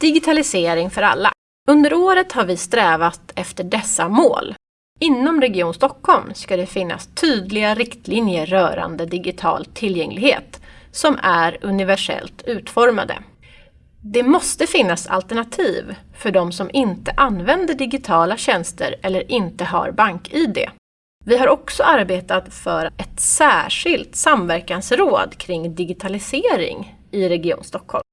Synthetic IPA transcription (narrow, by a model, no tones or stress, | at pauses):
d̪̥ɪɡɪt̪ʰalɪseːɾɪŋfœɾa̰lːa̰ | ɵnd̪əɾoːɾət̪haɾvɪst̪ɾɛːvat̪ɛft̪əɖɛsːamo̰ːl | ɪnːɔmɾɛɡɪuːnst̪ɔkhɔlmskad̪ɛfɪnːa̰st̪ʰyːd̪lɪɡaɾɪkt̪ʰliːnjəːœːɾa̰nd̪əd̪ɪɡɪt̪ʰɑ̰ːlt̪ʰɪljɛŋlɪɡheːt̪sɔmæɾɵnɪvæʂɛ̰lt̪ʰʉ̟ːt̪fɔɾma̰d̪ə̰ | d̪ɛmɔst̪əfɪnːasa̰lt̪ɛɳat̪ʰiːvfœɖɔmsɔmʔɪnt̪əʔanːvɛnd̪əɖɪɡɪt̪ʰɑːlaɕɛnst̪ə̰ɾɛlːəɾʔɪnt̪əɦa̰ɾbaŋkiːd̪ḛː | vɪɦaɾɔksɔaɾbeːt̪at̪fœɾɛt̪sæːʂɪlt̪samvæɾkansɾoːd̪kʰɾɪŋːd̪ɪɡɪt̪ʰalɪseːɾɪ̰ŋ | ɪɾɛɡɪṵːnst̪ɔkʰːhɔ̰lm